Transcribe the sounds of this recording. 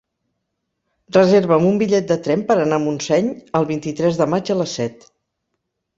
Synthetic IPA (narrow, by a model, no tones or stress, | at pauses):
rrəzeɾβəmumbiʎɛt̪̚d̪ət̪ɾɛmpəɾənaəmunsɛɲəlˠβint̪it̪ɾɛzðəmad͡ʒələsːɛt̪